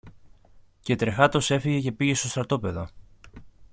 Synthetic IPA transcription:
ce̞t̪ɾe̞xɐt̪o̞se̞fiʝe̞ce̞piʝe̞st̪o̞st̪ɾɐt̪o̞pe̞ðo

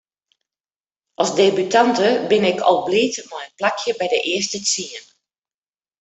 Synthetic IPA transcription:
ʔɔlˠsdebytantəbɪnɪkʰɔ̰lˠbliːtmɔjənplakʰjəbɛjdəʔɪəstət͡siən

